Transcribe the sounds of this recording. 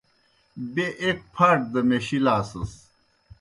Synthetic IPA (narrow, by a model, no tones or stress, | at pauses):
beʔek̚pʰaːʈ̚d̪ɐmeɕilaːsɐs